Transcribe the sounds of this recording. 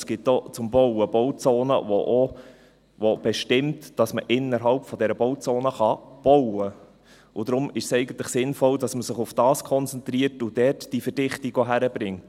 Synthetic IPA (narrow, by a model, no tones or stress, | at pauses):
sɡ̥ɪtːot͡sʊmbɔwəb̥ɔwt͡soːnə̰ʋoʔo | ʋob̥ɛʃtɪmtd̥ɑsməʔɪnːəɾɦɑlpfɔdɛɾəbɔwt͡soːnəχɑb̥ɔwə | ʔʊd̥ɾʊmɪʃsɛɪɡən̩tləχsɪnfɔldɑsməsɪχʊfd̥ɑːskʰɔnt͡sɛnt̪ɾiːərtʊd̥ɛrtd̥ifəɾd̥ɪχtiɡoɦæɾəbɾɪŋt